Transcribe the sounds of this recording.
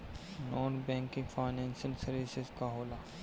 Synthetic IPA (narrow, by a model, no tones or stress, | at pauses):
nɔːnbɛ̃ːŋkɪ̃ŋɡfaːɪnɛ̃ːnsɪlsɐɾʋɪsɪzkaɦoːlaː